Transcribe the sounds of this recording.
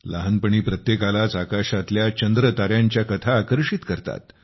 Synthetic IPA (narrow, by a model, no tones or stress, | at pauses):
la̰ɦənpəɳiːpɾət̪jekalat͡sakaʂat̪ljat͡ɕənd̪ɾət̪aɾjaɲt͡ɕjakət̪ʰaːkəɾʂit̪kəɾt̪a̰t̪